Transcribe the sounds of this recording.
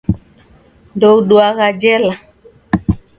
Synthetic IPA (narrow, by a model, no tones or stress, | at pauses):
ndouɗuaɣad͡ʒɛla